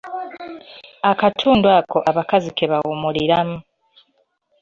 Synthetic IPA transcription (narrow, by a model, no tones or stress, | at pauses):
akatʰuːndwako̞ʔaβakazikeβawumuliɾamu